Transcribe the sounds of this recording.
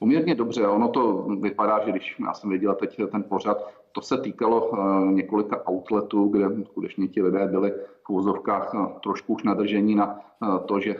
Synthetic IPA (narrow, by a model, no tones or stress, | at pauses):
pomɲɛɾɲɛdo̞br̝ɛʔono̞t̪o̞vɪpadaːʒɛɡdɪʃja̰ːsɛmvjɛɟɛlat̪ɛct̪ɛnpo̞r̝at̪ | t̪o̞sɛt̪iːkalo̞ɲɛko̞lɪkaʔawt̪lɛt̪uːɡdɛskut̪ɛt͡ʃɲɛcɪlɪdɛːbɪlɪfʔuvozo̞fkaːxt̪ɾoʃkuuʃnad̪r̩ʒɛɲɪnat̪oʒɛ